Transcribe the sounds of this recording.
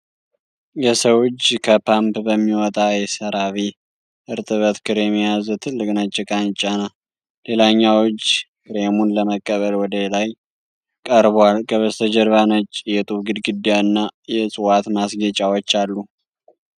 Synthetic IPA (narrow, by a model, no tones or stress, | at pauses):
jɛsəwot͡ʃːkʰəpʰampbəmːiwɔt̪ʼajɛsəɾaβi | ʔɨɾt̪ʼɨβət̪kʰɨɾemijazt̪ʰɨlːɨkʼnat͡ʃʼːɛkʼant͡ʃʼːana | le̞laɲːawɔt͡ʃːkɨɾemunləməkʼːəβəlwɔd̪əlaj | kʼəɾβwalkʼəβəst̪ʰəd͡ʒɛɾβanət͡ʃʼːjɛt̪ʼuɡɨd̪ɡɨd̪ijaɨnːajɛsʼɨwat̪masɡət͡ʃʼawɔt͡ʃːalːu